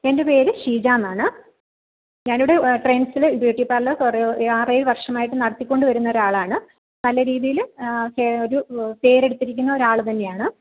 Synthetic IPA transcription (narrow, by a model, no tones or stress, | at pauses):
e̞nde̞pe̞ːɾɨʂiːd͡ʑaːnːaːɳɨ | ɲaːnuɽe̞ʈrensilɨbjuːʈːipɐrlɨkuraːreɾʋɐrʂɐmaːjiʈːɨnɐɽɐt̪ːikʲːo̞ɳɖɨʋɐɾunːɐoɾaːɭaːɳɨ | nɐlɐɾiːðijilkeo̞ɾupe̞ːɾe̞ɽut̪ːiɾikʲːunːɐo̞ɾaːɭt̪ɐnːe̞jaːɳɨ